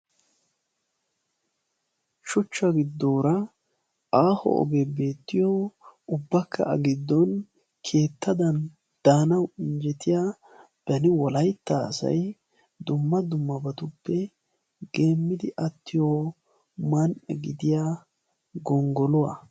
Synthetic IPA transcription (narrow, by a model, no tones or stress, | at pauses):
ʃɔt͡ʃːɐɡɪd̪ːoːɾɐ | aːhɔ̰ʔɔ̰ɡebe̞ːt̪ːɪjoʊbːɐkʰːɐ̰ɐɡɪd̪ːɔn | kʰe̞ːt̪ːɐd̪ɐn | d̪̥aːnɐwɪnd͡ʒɛt̪ɪjaː | b̥ɐnɪwɔlɐjt̪ːasɐ̰j | d̪ʊmːɐd̪ʊmːɐbɐt̪ʊpːɛ | ɡe̞ːmːɪd̪ɪʔɐt̪ːɪjoː | mɐnʔɛ̰ɡɪd̪ɪjaː | ɡɔŋɡɔlʊwa̰